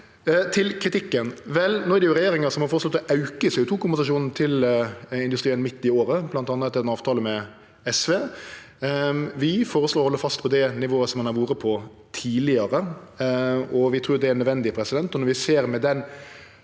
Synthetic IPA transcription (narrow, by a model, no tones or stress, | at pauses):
t̪ʰɪlkʰɾɪt̪ʰɪkːənʋɛlnoːæɾəjʊɾɛjeːɾɪŋəɾsɔmhɑɾfoːɾəslɔt̪ːɔʔɑʉkəseːʊːt̪uːkʊmbɛnsɑʂuːnn̩t̪ʰɪlɪnd̪ʉst̪ɾiːənmɪt̪ːɪoːɾəblɑnt̪ɑːnːəɛt̪ːɛɛnɑːʋt̪ʰɑːləmɛ | ɛsʋeː | ʋɪfoːɾəsloːɾɔhɔlːəɾfɑst̪pʰɔd̪ɛnɪʋoːəsɔmhɑnhɑɾʋuːɾəpʰɔ | t̪ʰiːlɪəɾə | ɔʋɪt̪ʰɾuːd̪ɛæɾnœd̪ʋɛnd̪ɪpʰɾɛsɪd̪ɛnt̪ɔnɔɾʋɪseːɾmɛd̪ɛn